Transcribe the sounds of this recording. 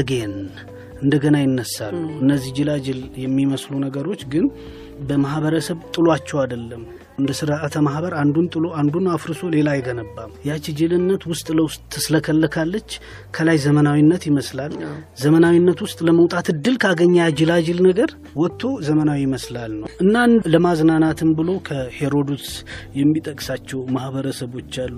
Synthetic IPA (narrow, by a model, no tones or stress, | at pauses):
ɡen | ʔɨnd̪əɡənajɪnːəsːa̰lːuʔɨnːəzːihd͡ʒɪlad͡ʒɪljɛmːiməslunəɡəɾo̞t͡ʃːɡɨn | bəmahbəɾəsəβt̪ʼɨloat͡ʃːɛwad̪əlːəm | ɨnd̪əsɨɾaət̪ʰəmahbəɾand̪unt̪ʼɨloand̪unafɾɨso̞le̞lajɛɡənəbːamjɛat͡ʃɪd͡ʒɨlɨnːət̪wʊst̪ʼləwʊst̪ʼsɨləkʰəlːəkʰalːət͡ʃː | kʰəlajzəmənawinːət̪jɪməslalzəmənawinːət̪wʊst̪ʼləməwt̪ʼat̪ɨd̪ːɨlkʰaɡəɲːad͡ʒɪlad͡ʒɪlnəɡəɾ | wɔt̪ʰːo̞zəmənawijɪməslalnə̰wʔɨnːanləmaznanat̪ʰɨmbɨlo̞kʰəhe̞ɾo̞d̪usjɛmːit̪ʼəkʼsat͡ʃːɛwmahbəɾəsəβo̞t͡ʃːalːu